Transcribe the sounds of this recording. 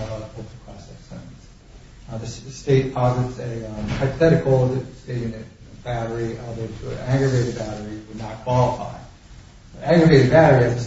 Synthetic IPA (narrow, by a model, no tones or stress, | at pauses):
hoʊkə̥pʰɹ̥ɑsɛksə̃s | ðɨsteɪt̚pʰɑzɨtsɨhaɪpɨθɛɾɨkl̩ˠsteɪjʉnɨt̚ | b̥æɾə˞iʌðətʰɨɨ̰æ̃ŋɡɹəɡeɪɾɨd̚bæɾə˞iwɨdⁿnət̚kʰw̥ɑlˠəfa̰ɪ | æ̃ɡɹəɡeɪɾɨd̚bæɾə˞iɨðɨs